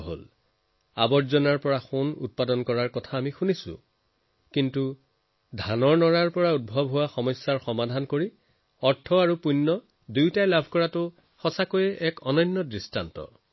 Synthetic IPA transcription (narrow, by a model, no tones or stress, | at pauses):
ɦo̰l | a̰bɔzɔnaɹpɔɹaxonṵt̚padɔnkɔɹaɹkɔtʰaːmixunisʊ̰̃ | kintu | dʱanɔɹnɔɹaɹpɔɹaud̚bʱɔbɦowaxɔmɔsːaɹxɔmadʱankoɹi | ɔɹtʰːɔaɹupunːɔ | dujtajlabʱkɔɹatʊ | xɔsakojɛʔɛkɔnɔnːɔdɹistantɔ̰